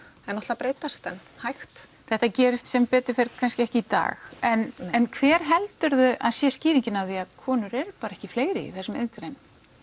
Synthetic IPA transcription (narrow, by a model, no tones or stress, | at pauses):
ɛnːɔht̪lapɾeːjt̪ast̪ɛnhajxt̪θɛht̪acɛːɾɪst̪sɛmpɛːt̪ʏfeɾkʰanscɪɛhcɪit̪a̰ːxɛnɛnkʰvɛːɾ̥ɦɛlt̪ʏɾðʏʔaðsjɛsciːɾiɲcɪnawθiaðkʰɔːnʏɾɛɾpaːɾaɛhcɪfleːjɾɪ̰θɛsʏmḛðnt̪ɾejn